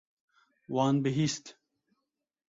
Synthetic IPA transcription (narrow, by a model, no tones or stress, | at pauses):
wɑːnbiɦist̪